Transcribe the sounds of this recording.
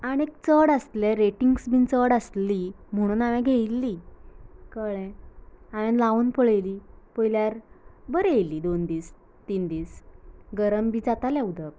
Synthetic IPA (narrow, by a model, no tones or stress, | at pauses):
aɽ̃iek̚t͡səɽəst̪leɾeʈiŋɡsbiːnt͡səɽəsli | m̤əɽ̃uːnaʋɛ̃ɡʱejlːi | kəɭɛ̃aʋɛ̃nlaʋuːnpəɭəjlipəjljaɾbəɾeliːd̪ond̪iːs | t̪iːnd̪iːsɡəɾəmbid͡zat̪alɛud̪ək